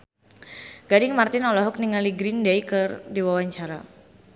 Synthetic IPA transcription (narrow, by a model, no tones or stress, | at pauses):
ɡ̥adɪŋmart̪ɪnɔlɔɦʊk̚niŋaliɡɾindajkɨrdiwawaɲt͡ʃaɾa